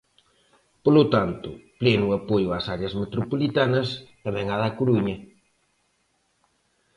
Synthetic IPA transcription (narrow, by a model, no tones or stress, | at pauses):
polʊt̪ant̪ʊplenʊɐpojʊasaɾjɐsmet̪ɾopolit̪anɐst̪ɐmɛ̃ŋaðɐkoɾuɲɐ